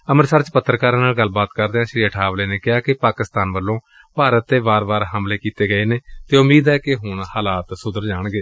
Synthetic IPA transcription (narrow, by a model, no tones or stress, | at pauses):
əməɾsaːɾt͡ʃpət̪ːɾkaːɾãːnaːlɡəlːbaːt̪kəɾd̪eːãːʃɾiːəʈʰaːʋleːneːkɪaːkɪpaːkɪst̪aːnʋəlːõː | paːɾət̪ːeːbaːɾbaːɾɦəmleːkiːt̪eːɡəeːneːt̪eːʊmiːd̪ɛːkɪɦʊɳhaːlaːt̪sʊd̪əɾd͡ʒaːɳɡeː